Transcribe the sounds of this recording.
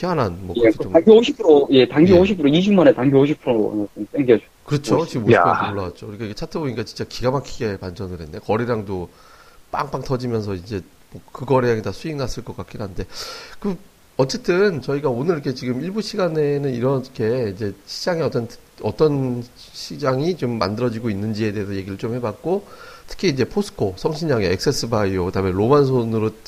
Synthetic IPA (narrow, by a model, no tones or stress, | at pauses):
kʰeananmwʌaŋɡoɕʰipʰuɾoje̞taŋɡooɕ̬ʰipʰuɯɾoid͡ʑumanetaŋɡjooɕ̬ʰipʰuɾo̰s͈ɯmp͈eŋɡʌd͡ʑokɯɾʌt͡ɕʰot͡ɕiɡɯmoioɭːaat̚t͡ɕ͈okɯɾik͈ʰaiɡet͡ɕʰatʰɯboɲiɲikat͡ɕi̥nt͡ɕ͈akiɡamakʰiɡe̞pand͡ʑʌnɯɾɦe̞ndekʌɾiɾaŋdo | p͈a̰ŋp͈akt͈ʰʌd͡ʑimjʌnsʰʌind͡ʑe̞ | mwʌkɯɡʌɾeaŋitasʰuiŋnas͈ɯɭk͈ʌk͈ak͈iɾanɯnde̞kɯ | ʌt͡ɕ͈e̞t͈ɯnt͡ɕʌiɡaonɯɾikʰe̞t͡ɕiɡɯmiɭbuɕʰiɡane̞nɯniɾʌkʰe̞id͡ʑe̞ɕʰi̥d͡ʑaŋeʌt͈ʌnʰ | ʌt͈ʌn | ɕʰid͡ʑaŋit͡ɕomːa̰ndɯɾʌd͡ʑiɡoinːɯnd͡ʑie̞de̞ɦes̬ʰʌje̞ɡiɾɯɭt͡ɕ͈omhe̞bak̚k͈otʰɯ̥kʰiːd͡ʑe̞pʰosʰɯ̥kʰosʰʌŋɕʰiɲaŋeek̚s͈es͈ʰɯbaiokɯdameɾomans̬ʰonɯɾo